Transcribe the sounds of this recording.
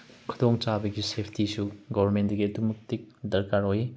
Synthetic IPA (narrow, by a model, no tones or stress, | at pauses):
kʰudoŋt͡ʃabɐɡisepʰtisuɡɔbʱɐɾmendɐɡiɐdumuk̚tik̚dɐɾkaɾoji